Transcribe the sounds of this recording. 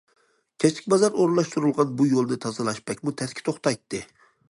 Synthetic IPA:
kʲʰɛt͡ʃt̪ʰɪkʲbɑzɑɾoɾɨnlˠɑʃt̪uɾɨlˠʁɑnbujolˠnɨt̪ʰɑzɨlˠɑʃpɛkʲmut̪ʰɛskʲɪ̥t̪ʰoχt̪ɑjt̪ːɨ

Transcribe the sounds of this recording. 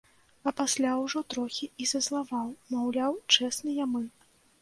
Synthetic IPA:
ɐpasʲlʲawʐɔt̪ɾɔxʲiizɐslˠavawmawlʲawt͡ʂɛsnɨjamɨ

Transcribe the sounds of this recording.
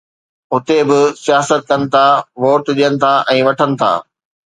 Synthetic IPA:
ʊt̪ebɪsijaːsət̪̚kɐnɪ̆t̪ʰaʋoːɾt̪ɗijənɪ̆t̪ʰaʔɛ̃ːʋɐʈʰənɪ̆t̪ʰa̰ː

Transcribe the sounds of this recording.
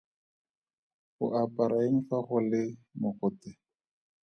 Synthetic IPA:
χʊ̰ʔapʼaɾaeŋ̩faχʊlɪmʊχʊtɪ

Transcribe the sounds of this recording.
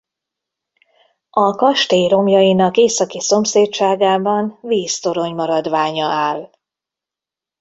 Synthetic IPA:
ɒkɒʃt̪eːjɾo̞mjɒjinɒkeːsɒkiso̞mseːtt͡ʃaːɡaːbɒnviːst̪o̞ɾo̞ɲmɒɾɒd̪ʋaːɲɒaːl

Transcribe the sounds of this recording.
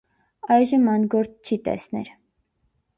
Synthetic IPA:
ɑjʒəmɑnɡɔɾt͡sʰt͡ʃʰit̪ɛ̰snɛ̰ɾ

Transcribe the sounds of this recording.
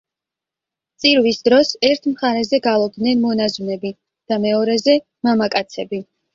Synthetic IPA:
t̪sʼiɾvisd̪ɾɔsɛɾt̪ʰmχaɾɛzɛɡalˠɔb̚d̪nɛnmɔnazunɛbi | d̪̥amɛɔɾɛzɛ | mamakʼat̪sʰɛbi

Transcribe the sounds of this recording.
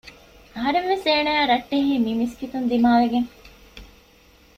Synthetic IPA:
ɐɦɐɾenʋeseːnɐjaːɾɐʈːeɦiːmimiskit̪und̪imaːʋeɡeŋ

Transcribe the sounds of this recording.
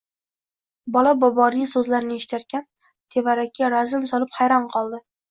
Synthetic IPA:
bɒlabɒbɒɾijsɵzlaɾɪnɪeʃɪ̥t̪ʰaɾkʲʰan | t̪ʰe̞vaɾakʲʰːaɾazɪmsɒlˠɪphajɾɒnqʰɒlˠd̪ɪ

